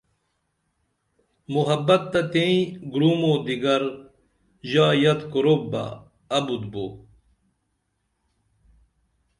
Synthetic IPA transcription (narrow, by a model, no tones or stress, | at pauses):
muɦɐbɐt̪ːɐt̪ẽĩɡɾuːmoːd̪iɡɐɾ | ʑaːjɐt̪koɾob̚bɐ̰ː | bud̪bo̰